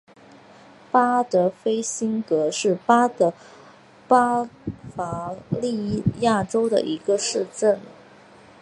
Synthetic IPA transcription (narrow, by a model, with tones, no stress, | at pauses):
pa˥t̪ɤ˧˥fe˥ɪɕi˥ŋkɤ˧˥ʂɻ̩˥˩pa˥t̪ə˧˥ | pa˥fa˧˥li˥˧ja˥˩ʈ͡ʂo˥ʊd̪ə̰˨ʔi˧˥ɡə˧ʂɻ̩˥˧ʈ͡ʂə˥˩n